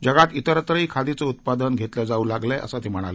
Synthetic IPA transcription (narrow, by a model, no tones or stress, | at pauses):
d͡ʑəɡat̪it̪əɾət̪ɾəiːkʰad̪it͡sɔut̪̚pad̪ənɡʱet̪lad͡zauːlaɡleʔə̰sat̪em̤əɽ̃a̰le